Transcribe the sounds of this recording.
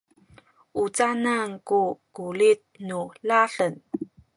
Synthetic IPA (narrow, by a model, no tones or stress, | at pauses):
ʔut͡sanaŋkukulit̪̚nulaɬən